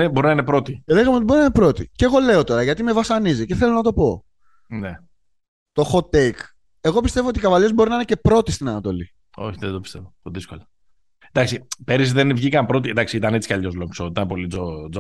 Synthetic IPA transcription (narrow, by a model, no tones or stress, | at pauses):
nebo̞ɾinɐinepɾo̞t̪ieðeɣɐmet̪ibo̞ɾinɐinpɾo̞t̪iceɣo̞le̞ot̪o̞ɾɐʝɐt̪ime̞vɐsɐniziceθe̞lo̞nɐt̪o̞po̞ | ne | t̪o̞xo̞t̪ek | e̞ɣo̞pist̪e̞voot̪ikɐvɐʎe̞zbo̞ɾinɐinece̞pɾo̞t̪ist̪inɐnɐt̪o̞̰lḭ | o̞̰çiðend̪opi̥st̪e̞vot̪oðisko̞̰lɐ | nd̪ɐksipe̞ɾisðenvʝikɐmpɾo̞t̪id̪ɐksiit̪ɐnet͡si̥kɐʎo̞zloksoit̪ɐnpo̞liod͡zo